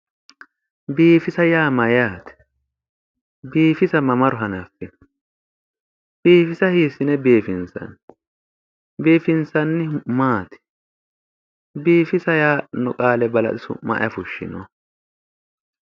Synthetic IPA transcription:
biːfɪsɐjaːmɐjaːt̪ɛ̥ | biːfɪsɐmɐmɐɾʊɦɐnɐfːɪn | b̥iːfɪsɐhiːsɪnɛbeːfɪnsɐ̰n | beːfɪnsɐnːɪmaːt̪ɪ̥ | biːfɪsɐjaːnʊkʼaːlɛbɐlɐ̰tɪsʊ̰mɐ̰ʔjɐfʊʃːɪ̰nɔ

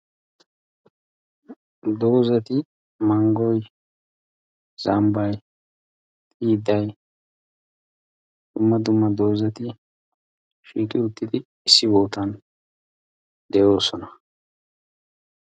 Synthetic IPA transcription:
d̪o̞ːzɐt̪ɪ | mɐŋɡɔj | z̥ɐmbɐj | t̪ʼiːd̪ɐj | d̪̥ʊmːɐd̪ʊmːɐd̪o̞ːzɐt̪ɪ | ʃiːkʼɪʊt̪ːɪd̪ɪːsːɪboːt̪ɐn | d̪ɛjo̞ːsɔnɐ

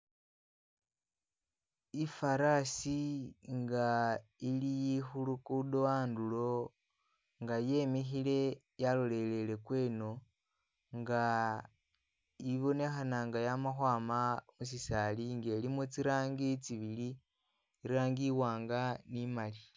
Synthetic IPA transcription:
ifaɾasiŋɡailijixulukudowaːndulo̞ | ŋɡaje̞mixile̞ | jalole̞le̞le̞kwe̞ːno̞ | ŋɡa | iβo̞ne̞xanaŋɡajamaxwaːmamus̬isaliŋɡe̞limut͡siɾaːŋɡit͡siβili | iɾaːŋɡiwaːŋɡanimali

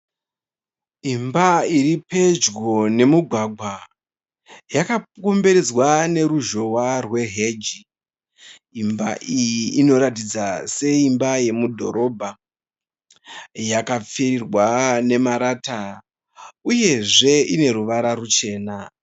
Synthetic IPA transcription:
imbaiɾipe̞d͡ʒɡo̞ne̞muɡʱwaɡʱwa | jakako̞mbe̞ɾed͡zwane̞ɾuʒo̞warwe̞ɦe̞d͡ʒi | imba̰ʔijiːno̞ɾatid͡zase̞imbaje̞mudʱo̞̰ɾo̞bʱa | jakap͡ferirwane̞maɾata | uje̞ʐe̞ine̞ɾuʋaɾarut͡ʃe̞ːna

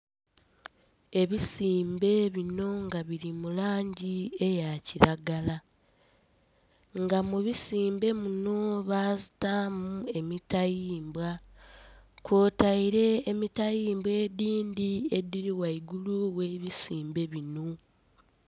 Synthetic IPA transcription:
e̞βisiːmbe̞βino̞ŋɡaβiɾimulaːɲɟie̞jaciɾaɡala | ŋɡamuβisiːmbe̞muno̞βaːzitamue̞mitajiːmbwa | kwoːtaiɾe̞ːmitajiːmbweːdiːndie̞diɾiwaiɡuluwe̞βisiːmbe̞βino

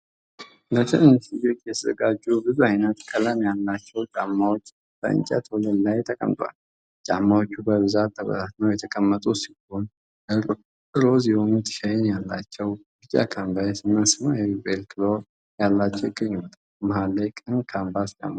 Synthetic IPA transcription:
lət̪ʰəʔɨnsid͡ʒot͡ʃʼːjɛt̪ʰəzəɡad͡ʒːubɨzuajnət̪kʼʰələmjalːat͡ʃːɛwt͡ʃʼamːawot͡ʃː | b̥ə̰ɨ̰ɲt͡ʃʼɛ̰t̪ʰwɔləd̪lajt̪ʰəkʼə̰mt̪ʼwa̰l | t͡ʃʼa̰mːawo̞t͡ʃːubəβɨzat̪ːəβə̰zat̪nəwjɛt̪ʰəkʼəmːət̪ʼusiho̞n | ɨlozihonut̪ʰɨ̥ʃajɪnjalːa̰t͡ʃːɛwbɨt͡ʃʼːa̰kʰambajsiməsmajɛbelkʰɨlo | jalːat͡ʃːɛwkʼɨɲːt̪ʼ | maɦalːejkʼənkʰambast͡ʃʼa̰mːa

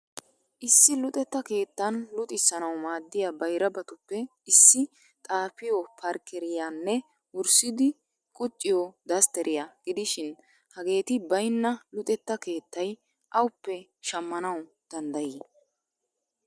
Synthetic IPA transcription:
ʔɪsːɪlʊt̪ʼɛt̪ːɐke̞ːt̪ːɐnlʊt̪ʼɪsːɐnɐwmaːd̪ːɪjabɐjɾɐbɐt̪ʊpːɛɪsːɪ | t̪ʼaːfɪjɔpʰɐɾkɛɾɪjanːɛ | wʊɾsɪd̪ɪ | kʼʊt͡ʃʼːɪjɔd̪ɐst̪ɛɾʔɪjɐɡ̥ɪd̪ɪʃɪn | hɐɡe̞ːt̪ɪbɐjnːɐlʊt̪ʼɛt̪ːɐke̞ːt̪ːɐj | ʔɐwʊpːɛʃɐmːɐnɐw | d̪̥ɐnd̪ɐjiː

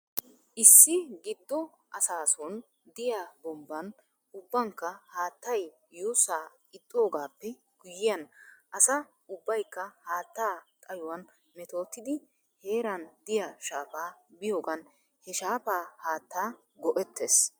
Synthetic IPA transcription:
ʔɪsːɪɡɪd̪ːɔ | ʔɐsaːsoːn | d̪ɪjabɔmbːɐn | ʊbːɐŋkːɐhaːt̪ːɐj | juːsaː | ɪt̪ʼːoːɡaːpːɛ | ɡ̥ʊjːɪjɐnʔɐsɐ | ʊbːɐjkːɐhaːt̪ːaːt̪ʼɐjʊwɐn | mɛt̪o̞ːt̪ːɪd̪ɪ | he̞ːɾɐnd̪ɪjaʃaːpaːbɪjo̞ːɡɐn | hɛʃaːpaːhaːt̪ːaː | ɡɔʔɛt̪ːeːs

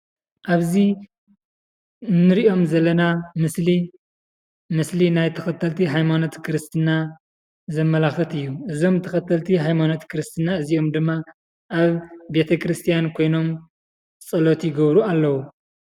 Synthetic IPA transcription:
ʔaβzi | nːɨɾiʔo̞mzɐlːɐnamɨsli | mɨslinajt̪ʰɐxɐt̪ʰːɐlt̪ʰiɦajmano̞t̪kʰɨɾɨst̪ʰɨna | zɐmːɐlaxɨt̪ɨjːuʔɨzo̞mt̪ʰɐxɐt̪ʰːɐlt̪ʰiɦajmano̞t̪kʰɨɾɨst̪ʰɨnaɨzio̞md̪ɨmːa | ʔaβbe̞t̪ʰɐkʰɾɨst̪ʰijankʰo̞jno̞m | t͡sʼɐlot̪ʰiɡɐβɾualːɐwu

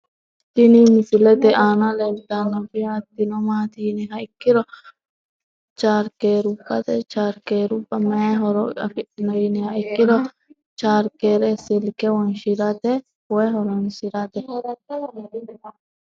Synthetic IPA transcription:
t̪ɪnimɪsɪlɛt̪ɛʔaːnɐlɛlt̪ːɐnːɔfɪat̪ːɪnɔmaːt̪iːnɛɦɐɪkːɪɾɔ | t͡ʃaːɾkeːɾupːɐt̪ɛt͡ʃaːɾkeːɾʊpʼːɐmɛaɦɔɾɔɐ̰fɪʔɪnɔjɪnɛhɐɪkːɪɾɔ | t͡ʃaːɾkeːɾɛsɪlkɛwɔnʃɪɾɐt̪ɛ | wɔjɦɔɾɔnsɪɾɐt̪ɛ

